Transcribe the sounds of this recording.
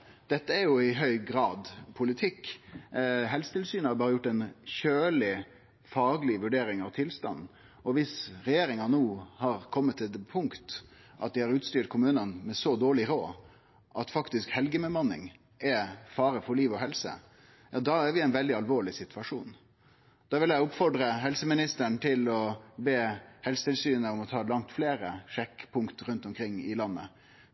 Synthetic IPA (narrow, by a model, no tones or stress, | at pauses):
d̪̥ɛt̪ːəæɾjʊɪɦœʏɡɾɑːd̪pʰʊlɪt̪ʰɪkː | ɦɛlsət̪ɪlsyːnhɑɾbɑːɾəjʊʈːɛnçøːlɪ | fɑːɡlɪʋʉɖeːɾɪŋɑʋt̪ʰɪlst̪ɑ̰nː | ɔʋɪsɾɛjeːɾɪŋɑnuːhɑɾkʰɔmːət̪ʰːɪld̪pʰʊŋkt̪ | ʔɑt̪̚d̪ɪhɑɾʉːt̪st̪yːʈ̚kʰʊmʉːnənmɛsɔd̪oːɭɪɾoː | ʔɑt̪fɑkt̪ɪskhɛlɡəmɛmɑnːɪ̰ŋ | ʔɛfɑːɾəfɔɾɭiːʋɔɦɛlsə̰ | jɑːd̪ɑːæɾʋɪæɪnʋɛld̪ɪɑlʋoːɭɪsɪt̪ʉʋɑʂuːn | d̪̥ɑːʋɪljæɪʊpfɔɖɾəɦɛlsəmɪnɪst̪əɳt̪ʰɪlɔbeːhɛlsət̪ɪlsyːnəɔmɔt̪ʰɑːlɑŋ̚t̪fleːɾəʂɛkːpʰʊŋkt̪ɾʉnt̪ɔmkʰɾɪŋːɪlɑnːə̰